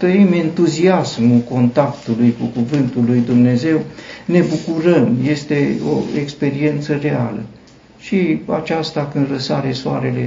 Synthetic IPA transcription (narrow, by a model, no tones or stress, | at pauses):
t̪ɾəiment̪uziasmuko̞nt̪akt̪ulujkukuvɨnt̪ulːujd̪umne̞ze̞wne̞bukuɾəmje̞st̪e̞o̰ekspe̞ɾie̞nt̪sərealə̰ | ʃia̰t͡ʃast̪akɨnd̪rəsaɾesoa̰ɾe̞le̞